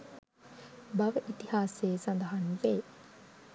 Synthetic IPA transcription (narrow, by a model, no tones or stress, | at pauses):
baʋəʔit̪ihaːseːsand̪əɦanʋeː